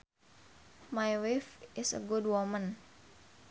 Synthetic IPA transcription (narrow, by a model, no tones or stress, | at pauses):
majwifʔɪsə̰ɡud̚wɔmə̃n